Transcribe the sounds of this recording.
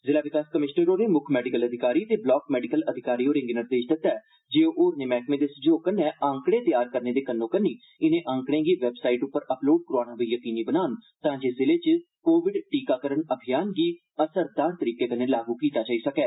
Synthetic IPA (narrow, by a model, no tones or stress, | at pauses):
zɪlaːʋɪkaːskəmɪʃnəɾoːneːmʊkʰmɛːɖɪkələd̪ʱɪkaːɾiːt̪eːblɔːkmɛːɖɪkələd̪ʱɪkaːɾiːoːɾɪ̃ŋɡɪnɪɾd̪eːʃd̪ɪt̪ːɛː | d͡ʒeːoʔoːɾneːmɛːkmẽːd̪esd͡ʒoːkənːɛ̃ːãːŋkɽ̃ẽːt̪ɪjaːɾkəɾneːd̪eːkənːõːkənːiː | ɪnẽːʔə̃ːŋkɽ̃ẽːɡiːʋɛbsaːiːʈʊpːəɾəploːɖ̚kʊɾaːnãːbiːjəkiːniːbənaːnt̪ãːd͡ʒeːsɪleːt͡ʃə | koːʋɪɖʈiːkaːkəɾəɳəbʱijaːnɡiː | əsəɾd̪aːɾt̪əɾiːkeːd̪ənːẽːlaːɡuːkiːt̪aːt͡ʃaːiːsəkɛː